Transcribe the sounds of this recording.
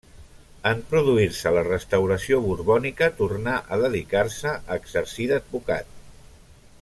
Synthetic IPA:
əmpɾuðuiɾsələrəst̪əwɾəsioβuɾβɔnikət̪uɾnaʔəðəðikaɾsəʔəɡzəɾsiðəd̪̚βuka̰t̪̚

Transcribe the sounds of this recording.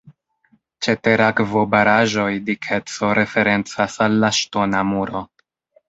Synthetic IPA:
t͡ʃe̞te̞ɾakvo̞baɾaʒo̞jdikʰe̞t͡so̞ɾʔe̞fe̞ɾe̞nt͡sasalːaʃto̞namuɾo̞

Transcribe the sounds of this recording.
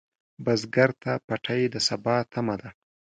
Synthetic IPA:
bazɡaɾt̪apaʈʰajed̪əsabɑt̪ʰamad̪a

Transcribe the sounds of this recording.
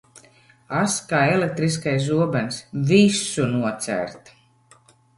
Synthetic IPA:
askaːelek̚t̪ɾiskajs̬uɔbɛnsvisunuɔt̪sæ̰ɾt̪

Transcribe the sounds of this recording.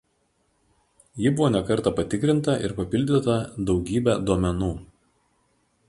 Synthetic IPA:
jɪbʊʋoːnʲɛkɐɾˑt̪ɐpɐt̪ʲɪkɾʲɪnt̪ɐʔɪ̰ɾpɐpʲɪlʲd̪ʲɪt̪ɐd̪ɒʊɡʲiːbʲæd̪uɔmʲɛnuː

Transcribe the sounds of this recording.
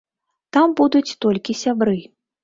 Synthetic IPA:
t̪ambud̪ut͡sʲt̪ɔlʲkʲisʲabɾɨ

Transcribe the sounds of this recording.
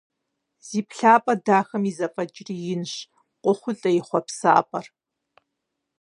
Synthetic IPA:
z̥iːpɬaːpʼɐdaːxɐmizɐfʼɐd͡ʒʼriːjɪnɕ | qʷʼʊχʷʊɬʼɐjɪχʷɔpsa̰ːpʼɐr

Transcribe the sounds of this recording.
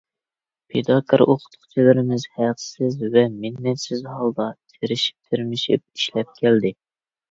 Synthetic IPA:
pʰed̪ɑkʰəɾoqʰʊ̥t̪ʰʊ̥χt͡ʃʰilɪɾɪmɪzhæqsɪzvɛminːɛt̪sɪzhɑlˠd̪ɑt̪ʰeɾɪʃi̥p̚t̪ʰiɾmɪʃḭp̚iʃlɛp̚kʲʰɛld̪ɪ

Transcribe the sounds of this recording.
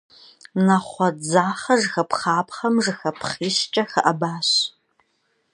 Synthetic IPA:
nɐχʷɔd͡zaːχɐʐxɐpχaːpχɐmʐɨxɐpʰχiːɕt͡ʃʼɐxəʔɐbaːɕ

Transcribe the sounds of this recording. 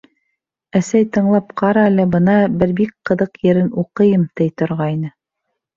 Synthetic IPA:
æsæjt̪ɤ̆ɴlˠɑp̚qʰɑɾɑlɘbɤ̆nɑbɘɾbik̚qɤ̆ðɤqjɘ̆ɾɘnuqɤ̆jɤmt̪ɘjt̪ŏɾʁɑjnɤ

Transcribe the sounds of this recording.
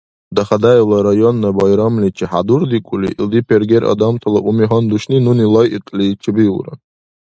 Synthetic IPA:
d̪aχad̪ajlaɾajonːabajɾamlit͡ʃʰiħad̪urd̪ikʷʼulḭḭld̪ipʰerɡʲeɾʔa̰d̪amt̪ʰalaʔumiɦand̪uʃninunilajitʼlʲit͡ʃʰibiwra̰

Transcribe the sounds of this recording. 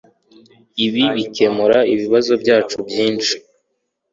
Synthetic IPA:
iβiβikʰe̞muɾaiβiβazo̞bɟaːt͡ʃubjiːnt͡ʃi̥

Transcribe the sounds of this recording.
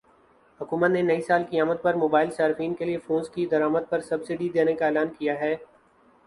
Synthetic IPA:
hʊkuːmət̪nenɐisaːlkijaːməd̪̚pɐɾmoːbaːɪlsaːɾɪfiːnkeliefõːnzkid̪ɐɾaːməd̪̚pɐɾsɐbsɪɖid̪eːnekaeːlaːnkijaɦɛː

